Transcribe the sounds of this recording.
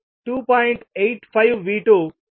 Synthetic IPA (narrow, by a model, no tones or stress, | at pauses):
ʈuːpɔːɪ̃ɳʈeːʈfaɪʋʋiːʈoː